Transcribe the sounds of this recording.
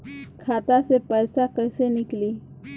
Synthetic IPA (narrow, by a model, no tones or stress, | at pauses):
kʰaːt̪asepɛːsakɛsenɪkliː